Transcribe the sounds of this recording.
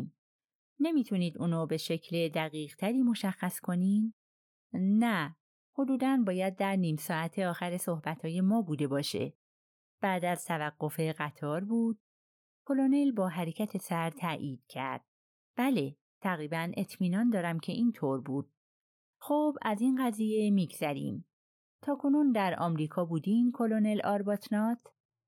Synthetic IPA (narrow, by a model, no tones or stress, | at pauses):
ne̞miːt̪ʰuniːd̪uːnube̞ʃe̞cʰled̪æɣiːʁt̪ʰæɾiːmo̞ʃæxːæskʰo̞niːd | næ | ho̞d̪uːd̪ænbɒːjæd̪̚ːæɾniːmsɒːæt̪ʰeɒːxæɾe̞so̞hbæt̪ʰɒːje̞mɒːbuːd̪e̞bɒːʃḛ | b̥æːd̪æz̥t̪ʰævæɡːo̞fe̞ɢæt̪ʰɒːɾbuːd̪̥̚ | kʰo̞lo̞ne̞lbɒːɦæɾe̞cʰæt̪ʰe̞sæɾt̪ʰæːʔiːd̪̥cʰæɾd̪̥̚ | b̥æle̞ | t̪ʰæɣɾiːbæne̞t̪ʰmiːnɒːnd̪ɒːɾæmcʰe̞ʔiːnt̪ʰoɾbuːd̪̥̚ | xobæzinɢæziːje̞miːɡz̥æɾḭːm | t̪ʰɒːkʰo̞nund̪æɾɒːmɾiːkʰɒːbuːd̪iːmkʰo̞lone̞lʔɒːɾbɒt̪ʰnɒːt̪ʰ